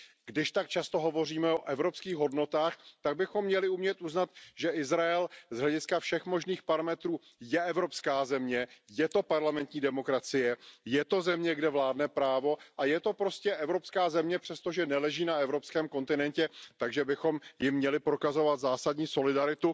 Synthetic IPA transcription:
ɡdɪʃt̪ak̚t͡ʃast̪o̞ɦo̞vo̞riːmɛoʔɛvɾo̞pskiːɣɦo̞dno̞t̪aːxt̪aɡ̚bɪxo̞mːɲɛlɪumɲɛt̪ʔuznat̪ʒɛɪzɾaɛlzɦlɛɟɪskafʃɛxmo̞ʒniːxpaɾamɛt̪ɾuː | jɛɛvɾo̞pskaːzɛmɲɛjɛt̪o̞paɾlamɛnt̪ɲiːdɛmo̞kɾat͡sɪjɛjɛt̪o̞zɛmɲɛɡdɛvlaːdnɛpɾaːvo̞ʔajɛt̪o̞pɾo̞scɛʔɛvɾo̞pskaːzɛmɲɛpr̥ɛst̪o̞ʒɛnɛlɛʒiːnaɛvɾo̞pskɛːmko̞nt̪ɪnɛncɛt̪aɡʒɛbɪxo̞mjɪmːɲɛlɪpɾo̞kazo̞vat̪zaːsadɲiːso̞lɪdaɾɪt̪u

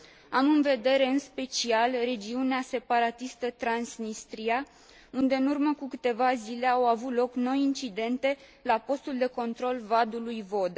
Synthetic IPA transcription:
amɨnve̞d̪e̞ɾe̞ɨnspe̞t͡ʃialre̞d͡ʒiunease̞paɾat̪ist̪ət̪ɾansnist̪ɾia | und̪eɨnurməkukɨt̪e̞vazile̞awavut̪lo̞kno̞jint͡ʃid̪e̞nt̪e̞ | lapo̞st̪uld̪e̞ko̞nt̪ɾo̞lvad̪ulujvo̞d̪a

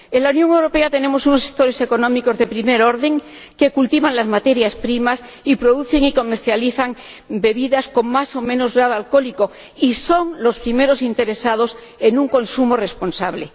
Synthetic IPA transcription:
e̞nlaunjo̞ŋe̞wɾo̞pe̞at̪e̞ne̞mo̞suno̞sek̚t̪o̞ɾe̞se̞ko̞nõ̞miko̞zðe̞pɾime̞ɾo̞ɾðe̞ŋ | ke̞kult̪iβanlazmat̪e̞ɾjaspɾimas | ipɾo̞ðuθe̞ŋiko̞me̞ɾθjaliθaŋ | be̞βiðasko̞ŋmaso̞mẽ̞no̞zɣɾaðoalko̞liko̞ | iso̞ŋlo̞spɾime̞ɾo̞sint̪e̞ɾe̞sað̞o̞s | e̞nuŋko̞nsumo̞re̞spo̞nsaβle̞

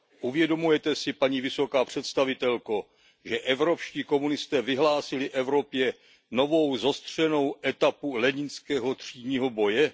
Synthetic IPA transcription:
ʔuvjɛdo̞mujɛt̪ɛsɪpaɲiːvɪso̞kaːpr̝̥ɛt̪st̪avɪt̪ɛlko | ʒɛʔɛvɾo̞pʃciːko̞munɪst̪ɛːvɪɦlaːsɪlɪʔɛvɾo̞pjɛ | no̞vo̞wzost̪r̝̥ɛno̞wʔɛt̪apulɛɲɪnskɛːɦo̞t̪r̝̥iːdɲiːɦo̞bo̞jɛ

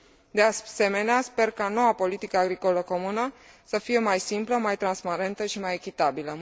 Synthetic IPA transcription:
d̪ease̞me̞neaspe̞rkano̞wapo̞lit̪ikəaɡɾiko̞ləko̞munə | səfije̞majsimpləmajt̪ɾanspaɾe̞nt̪əʃimajekʲit̪abilə

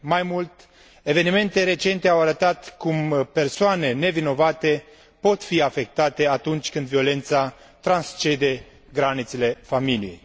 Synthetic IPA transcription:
majmult̪ | e̞ve̞nime̞nt̪e̞ɾe̞t͡ʃe̞nt̪e̞awaɾət̪at̪kumpersoane̞ne̞vino̞vat̪e̞ | po̞t̪fiafe̞k̚t̪at̪e̞at̪unt͡ʃʲkɨnd̪vio̞le̞nt̪sa | t̪ɾanst͡ʃe̞d̪e̞ | ɡɾanit̪sele̞familijej

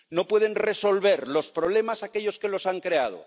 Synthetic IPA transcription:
no̞pwe̞ð̞e̞nreso̞lβe̞ɾlo̞spɾoβle̞masake̞ʎo̞ske̞lo̞saŋkɾe̞að̞o̞̰

